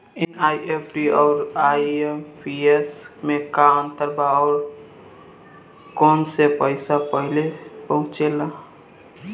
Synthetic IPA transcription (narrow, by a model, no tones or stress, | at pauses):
enajepʈiɔʊɾajempʰiesmekant̪əɾbaɔːɾ | konsepəɪsapəɦɪlepəɦũt͡ʃela